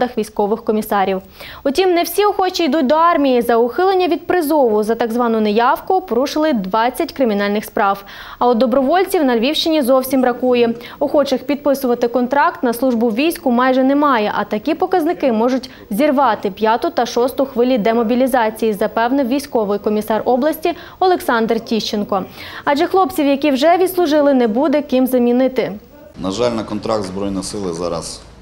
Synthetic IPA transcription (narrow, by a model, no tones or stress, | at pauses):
d̪ɐxʋʲijsʲkɔʋɪxkɔmʲisɑɾʲiw | ʊtʲimnɛwsʲiɔxɔt͡ʃiid̪ut̚ʲd̪ɔɑrmʲijizɐʊxɪlˠenʲːɐʋʲid̪̚pɾɪzɔʋʊzɐt̪ɑɡzʋɑnʊnejɑwkʊpɔɾuʂɪlˠɪd̪ʋɑt͡sʲːɐtʲkɾɪmʲin̪ɑlʲnɪxspɾɑw | ɐɔd̪ɔbɾɔʋɔlʲt͡sʲiwnɐlʲʋʲiwʃt͡ʃɪnʲizɔwsʲimɾɐkujɛ | ɔxɔt͡ʃɐxpʲid̪̚pɪsʊʋɐt̪ɪkɔnt̪ɾɑkt̪nɐslˠuʒbʊwʋʲijsʲkʊmɑjʒɛnɛmɑjɛʔɐt̪ɐkʲipɔkɐznɪkɪmɔʒʊtʲ | zʲirʋɑt̪ɪpʲjɑt̪ʊt̪ɐʃɔst̪ʊxʋɪlʲid̪ɛmɔbʲilʲizɑt͡sʲijizɐpɛwnɪʋʲijsʲkɔʋɪjkɔmʲisɑrʔɔblˠɐsʲtʲi | ɔlˠeksɑnd̪rtʲiʃt͡ʃenkɔɐd͡ʒɛxlˠɔpt͡sʲiwjɐkʲiwʒɛʋʲid̪slˠʊʒɪlˠɪnɛbud̪ɛkɪmzɐmʲinɪt̪ɪ | nɐʒɑlʲnɐkɔnt̪ɾa̰k̚t̪zbɾɔjnɔsɪlˠɪzɑ̰ɾɐ̰s